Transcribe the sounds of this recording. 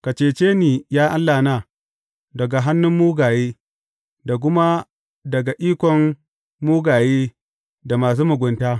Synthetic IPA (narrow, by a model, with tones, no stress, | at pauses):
ka˨t͡ʃeː˨t͡ʃeː˦niː˨jaː˦ʔa˦lːaː˨naː˦ | dɐ˨ɡa˨ɦa˦nːʊ˦mːuː˦ɡaː˨jeː˦ | da˨k̬ʷʊ˦ma˦ | dɐ˨ɡa˨ʔiː˦kʷɔ˨m | muː˦ɡaː˨jeː˦ | da˨maː˨s̬uː˦mʊ˨ɡʷʊ˨ntaː˦